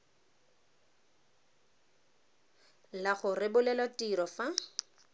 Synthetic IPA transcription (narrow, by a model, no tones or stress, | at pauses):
laχʊrɪbʊlɛlwatiɾɔfa